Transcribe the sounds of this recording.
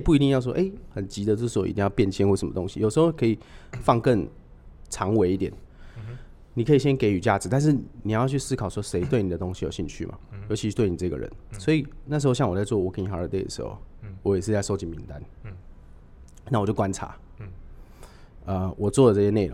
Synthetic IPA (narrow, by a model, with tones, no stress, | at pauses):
pu˥˩i˧i˥˧ŋjɑ˥˧ʊʂ̬wɔ̰˥ʔe˥˩xə˨˩nt͡ɕi˨˥d̪ə˨t͡sə˥˩ʂ̩˥˧˥o̰˥˧˨ḭ˧t̪ĩ˥˧jɑ˥˧ʊpjɛ˥˧nt͡ɕʰjnwʂə˨˦mə̰˨t̪o˧˦ŋɕi˨jo˨˩ʂ̩˧xo˥˩kʰɤ˧˥i˨˩fɑ˥˧ŋkə˥˨ŋ | t͡sʰɑ˧˥ŋwe˧ɪi˥˩t̪jɛ˨˩n | ni˨˩kʰɤ˦˥i˨˩ɕjɛ˥nke˧˥ɪy˨˩t͡ɕja̰˥˩t͡sɻ̩˨˦t̪a˥˧nʂ̬ɻ̩˥˩ni˨˩jt͡ɕʰy˥˩sɹ̩˥kʰɑ˨˩ʊʂwɔ˥ʂe˧˥ɪt̪we˥˩ɪni˨d̪ə˦t̪o˥ŋɕi˧˨jo˨˩ʊɕi˥˧ŋt͡ɕʰy̰˥˨˩mʔa̰˨˩jo˧˥ʊt͡ɕʰi˧y˥t̪we˥˩ni˨˩t͡sɤ˥˧ɡə̰˨ɻə̰˧˦nswɔ˧˥i˨˩na˥˩ʂ̬ɻ̩˧˥o˥˧ʊɕɑ˥˩ŋwɔ˨˩t͡sa˥˧ɪwɔ˥˩˨wɔ˨˩kə˥ni˨˩xa˨˥ə̰˧t̪e˥˩ɪd̪ə̰˨˩ʂɻ̩̰˧˦xo̰˥˧˩ʊwɔ˧˦jɛ˨˩ʂɻ̩˥˧t͡sa˥ɪʂo˥ʊt͡ɕi˨˩mi˧˦nt̪a˦n | na˥˩wɔ˨˩t͡ɕjo˥˩ʊkwa˦nt͡sʰa̰˧˦ | ə˧wʔɔ˨˩t͡swɔ˥˩də˩ɤ˥˧ɕjɛ˧˥ne˥˩o̰˨˦ŋ